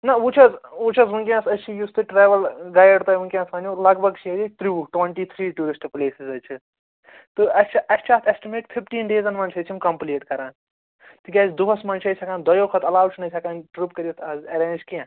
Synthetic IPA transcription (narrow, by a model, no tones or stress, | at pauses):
nɐut͡ʃʰɐzut͡ʃʰɐzʋuŋkʲijãːsɐt͡ʃʰijust̪ɨʈɾeːʋɐlɡaːjɐɖt̪ɐjʋuŋkʲãːsaːnʲoːlɐɡbʱɐɡt͡ʃʰied̪it̪ɾuːʈʋɐɳʈiːt̪ʰɾiːʈuːɾisʈpleːsizɐt͡ʃʰi | t̪ɨɐst͡ʃʰiʔɐst͡ʃʰaːt̪ʰesʈimeːʈpʰipʈiːnɖeːzɐnmɐnt͡ʃʰɐt͡ʃʰimkɐmpleːʈkɐɾaːn | t̪ɨɡʲaːzd̪uɦɐsmɐnt͡ʃʰɐt͡ʃʰʲɐkaːnd̪ɐjoːkʰɐt̪ɐlaːwt͡ʃʰnɐt͡ʃʰɐkaːnʈɾupkɐɾʲiit̪ʰɐzɐɾẽːnd͡ʒkijã